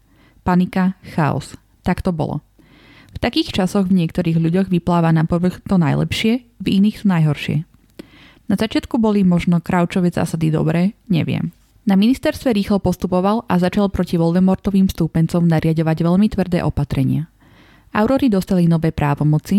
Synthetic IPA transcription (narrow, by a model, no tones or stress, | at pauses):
panikaxaɔ̰s | t̪akt̪ɔbɔ̰lɔ̰ | ft̪akiːxt͡ʃasɔɣvɲɪɛkt̪ɔɾiːɣʎuɟɔɣʋiplaːʋanapɔʋəxt̪ɔnajlɛ̰pʃɪɛviniːxt̪ɔnajɦɔɾʃɪɛ̰ | nazat͡ʃɪat̪kubɔlimɔʒnɔkɾaʊt͡ʃɔʋɛːza̰ːsad̪id̪ɔ̰bɾɛːɲɛ̰ʋɪɛ̰m | naminist̪ɛɾst̪ʋɛɾiːxlɔpɔst̪upɔʋalʔazat͡ʃalpɾɔciʋɔlʋɛmɔɾt̪ɔʋiːmst̪upɛnt͡sɔmnaɾɪaɟɔʋaɟʋɛʎmit̪ʋr̩d̪ɛ̰ːʔɔpat̪ɾɛɲɪa | ʔa̰ʊɾɔɾid̪ɔst̪alinɔʋɛːpɾʔaːʋɔmɔt͡si